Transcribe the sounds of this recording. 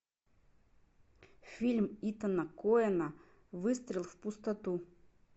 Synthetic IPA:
fʲilʲmit̪ɐnəkoɛnə | vɨst̪ɾʲɪlˠfpʊst̪ɐt̪u

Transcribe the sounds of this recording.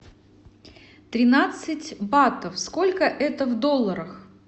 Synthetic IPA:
t̪ɾʲɪnat̪sɨtʲbat̪əfsko̞lʲkəʔɛt̪əvd̪o̞lˠːəɾəx

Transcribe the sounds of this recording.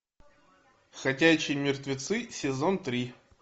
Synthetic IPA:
xɐtʲæt͡ɕːɪjmʲɪrt̪vʲɪt̪sɨsʲɪzont̪ɾʲi

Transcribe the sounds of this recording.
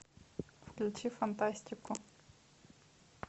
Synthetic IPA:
fklɨt͡ʃifant̪asʲt̪ʲiku

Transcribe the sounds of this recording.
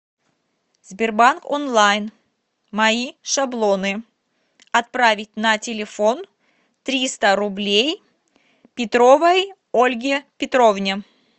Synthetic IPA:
zʲbʲɪrbanko̰nlˠajn | mɐiʂablˠonɨ | ɐt̪̚pɾavʲɪt̚ʲnɐtʲɪlʲɪfo̞n | t̪ɾʲist̪əɾʊblʲej | pʲɪt̪ɾovəj | olʲɡʲɪpʲɪt̪ɾovnʲɪ

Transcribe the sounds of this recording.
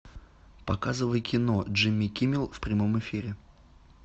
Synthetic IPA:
pɐkazɨvəjkʲɪnoʐɨmʲːikʲimʲɪlˠfpɾʲɪmo̞mɨfʲiɾʲɪ

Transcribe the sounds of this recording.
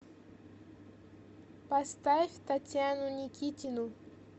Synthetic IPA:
past̪aeft̪at̪ʲjanʊnikit̪ʲinʊ

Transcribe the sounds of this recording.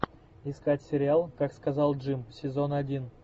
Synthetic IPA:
iskatʲsʲɪɾʲɪalˠkakskazɑlˠʐɨmsʲɪzonadʲin

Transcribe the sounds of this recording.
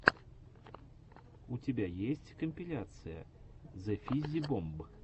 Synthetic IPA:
utʲɪbʲajesʲtʲkəmʲpʲɪlʲat̪sɨjə̰ | zɐfʲizʲibɔmbɨ

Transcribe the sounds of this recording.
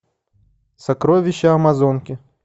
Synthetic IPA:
sɐkɾɔvʲɪɕːɐɐmazɔnkʲɪ

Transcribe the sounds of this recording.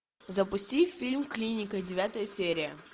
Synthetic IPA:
zəpʊsʲtʲifʲilʲmklʲinʲɪkədʲɪvʲat̪əjəsʲeɾʲɪjə

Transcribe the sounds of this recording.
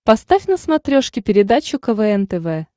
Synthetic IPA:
pɐst̪afʲnəsmɐt̪ɾʲoʂkʲɪpʲɪɾʲɪd̪at͡ɕʊkəvɛɛnt̪ɛvɛ

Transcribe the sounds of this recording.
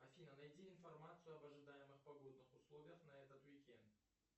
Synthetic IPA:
ɐfʲijnənajt̪ʲiɪnformat̪sɨjʊɐbɐʐɨd̪ajɪmɨχpɐɡo̞d̪nɨχʊslˠo̞vʲɪjəχnaɛt̪ət̪wikʲent̪

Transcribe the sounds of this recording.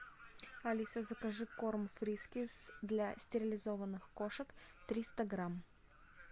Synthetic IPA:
ɐlʲisʲəzəkɐʐɨkormfɾʲiskʲɪsd̪lʲasʲtʲɪɾʲɪlʲɪzovənːɨxkoʂəkt̪ɾʲist̪əɡɾam

